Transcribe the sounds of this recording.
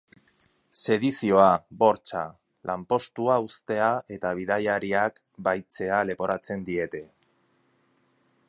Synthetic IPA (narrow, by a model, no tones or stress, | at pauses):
se̞ðisio̞abo̞ɾt͡ʃa̰ | lampo̞st̪uaust̪e̞ae̞t̪aβ̞iðajaɾiak | bajt͡se̞ale̞po̞ɾat͡se̞nd̪ie̞t̪e̞